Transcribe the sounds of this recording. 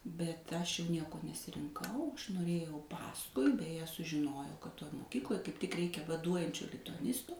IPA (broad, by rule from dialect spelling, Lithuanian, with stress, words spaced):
bʲɛt ˈɐʃ jɛʊ ˈnʲiɛkoː nʲɛsʲɪrʲɪŋˈkɐʊ ˈɐʃ noːˈrʲeːjɛʊ ˈpɑːskʊɪ bʲɛˈjɛ sʊʒʲɪˈnoːjɛʊ kɐt ˈtoːj moːˈkʲiːklˠoːj kɐɪp tʲɪk ˈrʲɛɪkʲɛ ʋɐˈduɔjɛnʲt͡ʃʲoː lʲɪtʊɐˈnʲɪstoː